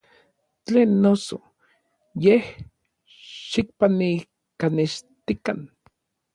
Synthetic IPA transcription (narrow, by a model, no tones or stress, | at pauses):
t͡ɬeːnːoso | jeh | ʃik̚pani | kaneʃt̪ikan